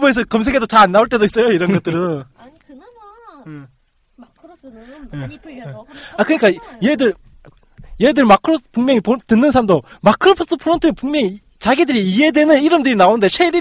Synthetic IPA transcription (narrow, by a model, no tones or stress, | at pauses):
boes̬ʰʌkʌms̬ʰe̞ɡedot͡ɕaɾanːauɭt͈e̞dois͈ʌjoiɾʌnɡʌt͈̚ɯɾɯn | je | akɯɲik͈ajedɯɭ | jeidɯɭmakʰɯɾospuŋmjʌŋipotɯnːɯnsʰaɾamdomakʰɯɾopʰs͈ɯpʰɯɾontʰɯepuŋmjʌŋi | t͡ɕaɡidɯɾiːe̞dwe̞nɯniɾɯmdɯɾinaonɯnde̞sʰeɾi